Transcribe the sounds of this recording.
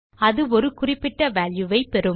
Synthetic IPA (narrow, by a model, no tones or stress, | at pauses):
ɐðɯɔɾɯkʊrɪpːɪʈːɐʋaːljɯʋɐɪpɛɾɯ